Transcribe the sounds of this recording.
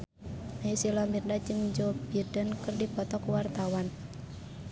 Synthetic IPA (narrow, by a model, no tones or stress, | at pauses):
naisilɔmirnad͡ʒɨŋɲd͡ʒob̥id̥ənkərdipɔt̪ɔkuwart̪awan